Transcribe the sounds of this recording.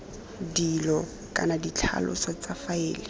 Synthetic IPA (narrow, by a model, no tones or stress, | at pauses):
dilɔ | kʼa̰nadit͡ɬʰa̰lʔʊ̰sat͡safaɪːlɪ